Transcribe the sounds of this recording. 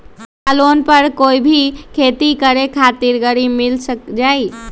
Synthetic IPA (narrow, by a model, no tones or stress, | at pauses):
alonpəɾkoːibʱikʰet̪ikəɾekʰat̪iɾɡəɾimilsəkd͡ʒaːi